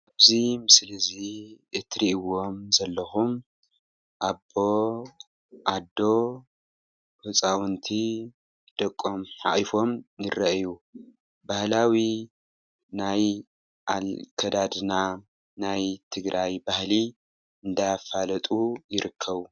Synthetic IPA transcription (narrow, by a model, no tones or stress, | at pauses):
aβzimɨslɨziɨt̪ʰɾiiwo̞mzɐlːɐxum | ʔabːo̞ | ʔad̪ːo̞ | hɨt͡sʼawɨnt̪ʰi | d̪̥ɐkʼːomħa̰ʔʼifo̞mjɪrːɐʔju | bahlawi | naj | ʔalkʰɐd̪ad̪ɨna | najt̪ʰɨɡɾʔajbahli | ɨnd̪ajafalɐt̪ʼujɪɾɨkʰːɐβu